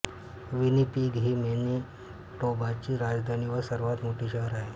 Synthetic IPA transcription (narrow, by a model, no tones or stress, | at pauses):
ʋinipiːɡʱɦiːmeni | ʈobat͡ɕiːɾad͡zd̪ʱaniʋəɾsəɾʋat̪moʈʰiɕəɦəɾaɦe